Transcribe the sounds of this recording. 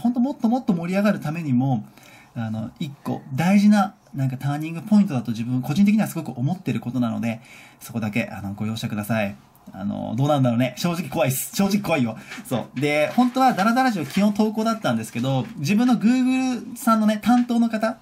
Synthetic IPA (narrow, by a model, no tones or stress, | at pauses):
hõ̞nt̪omo̞t̪ːo̞mo̞t̪ːo̞mo̞ɾʲiaɡaɾɯ̟t̪ame̞ɲ̟imo̞ | ano̞ikːo̞̰d̪aiʑina | nãŋkat̪aːɲ̟ĩŋɡɯ̟po̞ĩnt̪o̞d̪at̪o̞ʑibɯ̟̃ŋko̞ʑĩn̬ek̬ʲi̟iβasɨɡo̞kɯ̟omo̞t̪ːe̞ɾɯ̟ko̞t̪o̞nano̞̰d̪e̞so̞ko̞d̪ake̞ʔa̰no̞ɡo̞jo̞ːɕi̥t̪ekɯ̟d̪asai | a̰no̰d̪oːnand̪aɾo̞ːne̞ɕo̞ːʑikʲi̥ko̞βaisɨ̥ɕo̞ːʑikʲi̥ko̞βaijoso̞̰ːd̪e̞hõ̞nt̪o̞βad̪aɾad̪aɾaʑiβakʲihõ̞nt̪o̞ːko̞ːd̪at̪ːãnd̪e̞sɨ̥ke̞d̪o̞d͡ʑibɯ̟̃nːo̞ɡɯːɡɯ̟ɾɯ̟sãnːo̞ne̞t̪ãnt̪o̞ːno̞kat̪a